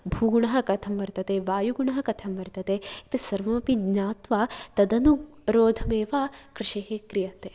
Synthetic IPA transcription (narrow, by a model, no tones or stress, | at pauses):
bʱuːɡuɳɐɦɐ̆kɐt̪ʰɐmʋɐɾt̪ɐt̪eːʋaːjuɡuɳɐɦɐ̆kɐt̪ʰɐmʋɐɾt̪ɐt̪eit̪isɐɾʋɐmɐpiɲaːt̪ʋaːt̪ɐd̪ɐnu | ɾoːd̪ʱɐmeːʋaːkɾɪʃeːɦekɾijɐt̪eː